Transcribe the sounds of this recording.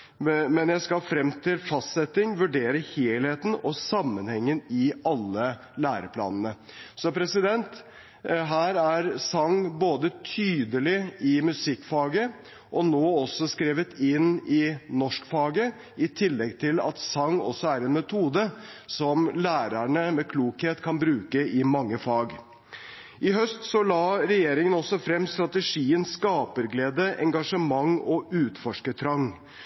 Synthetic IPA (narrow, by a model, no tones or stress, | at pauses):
mɛnjæɪskɑlfɾɛmt̪ʰɪlfɑst̪sɛt̪ɪŋʋʉɖeːɾəheːlheːt̪n̩ɔsɑmːənhɛŋːənɪɑlːə | læːɾəpʰlɑ̰ːnənə | sɔpʰɾɛsɪd̪ɛnt̪ | ɦæːɾæɾsɑŋːboːd̪ət̪ʰyːd̪əlɪɪmʉsɪkːfɑːɡə | ʔɔnoːɔsːɔskɾeːʋət̪ɪnɪnɔʂkfɑːɡə | ɪt̪ʰɪlːɛɡt̪ʰɪlɑ̰t̪sɑŋːɔ̰sːɔæɾɛːnmɛt̪ʰuːd̪əsɔmlæːɾæɳəmɛkʰluːkheːt̪kʰɑnbɾʉːkəɪmɑŋːəfɑːɡ | ɪɦœst̪sɔlɑːɾɛjeːɾɪŋənɔsɔfɾɛmst̪ɾɑt̪əʂiːənskɑːpəɾɡleːd̪əʔɛ̰ŋɡɑʂəmɑŋɔʉːt̪fɔʂkət̪ʰɾɑŋ